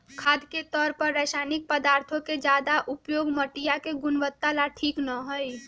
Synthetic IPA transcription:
kʰaːd̪ket̪ɔːɾpəɾːɛːʃaːnɪk̚pəd̪aːɾt̪ʰõked͡ʒaːd̪aʔʊpjoːɡməʈijakeɡʊnʋət̪ːalaʈʰiːknəɦoi

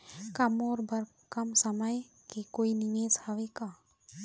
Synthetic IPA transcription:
kɐmoːɾbɐɾ | kɐmsəməj | kekoːiniŋesaʋeka

